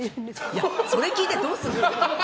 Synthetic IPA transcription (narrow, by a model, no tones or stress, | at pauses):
jaso̞ɾe̞kʲiːt̪e̞d̪o̞ːsɨɾɯ